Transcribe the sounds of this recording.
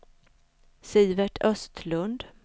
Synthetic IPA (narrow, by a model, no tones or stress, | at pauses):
siːvɛʈʰœst̪ʰlɵnd̪